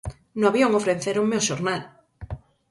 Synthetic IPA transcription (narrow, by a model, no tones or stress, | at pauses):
noaβjoŋofɾenθeɾomeoʃoɾnal